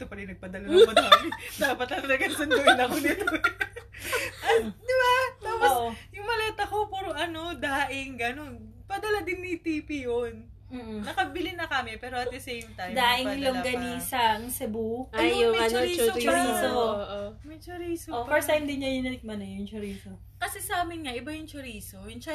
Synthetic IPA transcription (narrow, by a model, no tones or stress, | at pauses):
t̪opɐɾɪnnɐɡ̚pɐd̪ɐlɐnɐmɐnkɐmd̪aːpɐt̪̚ɐnɐɡɐnsɐnd̪ʊʔɪnɐkod̪it̪o | ɐd̪ɪbat̪aːposjʊŋmɐlat̪ɐkopuɾoʔɐnod̪aːʔɪŋɡɐnonpɐd̪ɐlad̪ɪnːit̪ipijon | m̩ːʔ̩̪ːɐkɐbɪlɪnɐkɐmɪpɛːɾoʔɐt̪d̪ɐsejmt̪ajmd̪aːʔɪŋjoŋɡɐnisɐŋsɛbuajomɐjoiot͡ʃɾiːsooʔomɛt͡ʃɐɾiːsoofɛɹsajmd̪ɪnɲɐjʊnɐnɪk̚mɐnɛjʊŋt͡ʃʊɾiːso | kɐsɛsɐaːmɪnŋɐʔɪbajʊŋt͡ʃʊɾiːsojʊŋt͡ʃ